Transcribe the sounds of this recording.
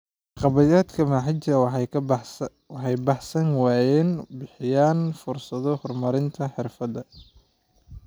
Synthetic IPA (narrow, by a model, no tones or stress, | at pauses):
qɑβɐjaːd̪kʰɐmaːħɪt͡ʃɐ | wɑħɑjbɑħsɐnwɑːjɛːnbɪħɪjaːnfʊrsɐðɔhɔrmɐɾɪnt̪ʰɐħɪrfɐðɐ